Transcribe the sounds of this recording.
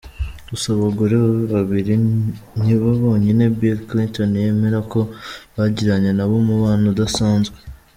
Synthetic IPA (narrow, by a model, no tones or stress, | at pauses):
ɡusaβaɡoɾeβaβiɾiniβaβo̞ːɲene̞bilklintonje̞ːme̞ɾako̞βaɟiɾaɲe̞naβomuβaːnudasaːnzɡwe